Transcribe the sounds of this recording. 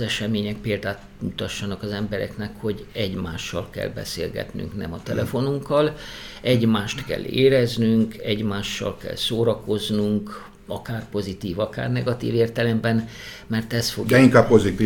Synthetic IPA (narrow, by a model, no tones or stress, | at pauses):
ɛʃɛmeːɲɛk̚peːld̪aːt̪ | mut̪ɒʃːɒnɒkɒzɛmbɛɾɛ̰knɛkho̞ɟɛɟmaːʃːɒlkɛ̰lbɛ̰seːlɡɛ̰t̪ny̰ŋknɛ̰mɒt̪ɛlʔɛfo̞nuŋkːɒlɛɟmaːʃt̪kɛ̰lːeːɾɛznyŋkɛɟmaːʃːɒ̰lkɛ̰lsoːɾɒko̞znuŋk | ɒkaːrpo̞zit̪iːvɒka̰ːrnɛɡɒt̪ḭːveːrt̪ɛlɛmbɛn | mɛrt̪ɛst̪foɡ̪ɛiŋkaːppozit̪iː